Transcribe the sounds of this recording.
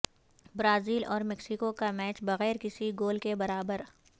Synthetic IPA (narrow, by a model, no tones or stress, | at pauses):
bɾaːziːlʔɔːɾmɛksikokamɛːt͡ʃbɐɣɛːɾkɪsiɡoːlkebɐɾaːbəɾ